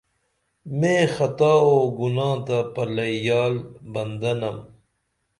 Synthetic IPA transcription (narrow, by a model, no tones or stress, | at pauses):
mẽːxɐt̪aːoːɡunãːt̪apɐlɐjaːlbɐnd̪ɐnɐm